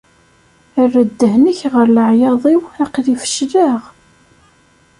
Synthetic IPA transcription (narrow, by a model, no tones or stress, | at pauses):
ərːəd̪ːəhnəçʁəɾləʕjɑðˤiwæqlifə̥ʃlaʁ